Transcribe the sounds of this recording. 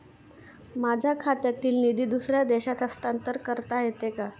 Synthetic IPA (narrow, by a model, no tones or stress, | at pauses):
mad͡ʑʱjakʰat̪jat̪iːlnid̪iːd̪usɾjad̪eɕat̪əst̪ant̪əɾkəɾt̪aɦet̪eka